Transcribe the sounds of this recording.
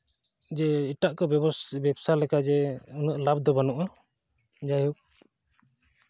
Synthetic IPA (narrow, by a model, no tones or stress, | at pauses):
d͡ʒɛiʈaʔkɔbjɛbɔbɛbsalɛkad͡ʒɛunuaʔlabd̪ɔbanuʔa | d͡ʒajuk̚